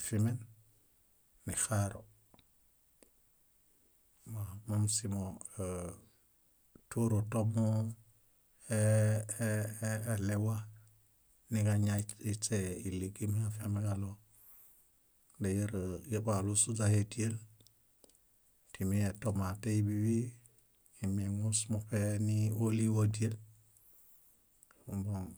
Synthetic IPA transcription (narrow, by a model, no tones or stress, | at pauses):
fimen | nixaɾo̰ | mamomsimo | tuɾotomu | e | elewa | nikaɲaiseiliɡimhiafiamekalo | dejiɾjebalusud͡ʒahetiel | timietomateibiwi | imeŋusmupenioliwodiel | uboŋ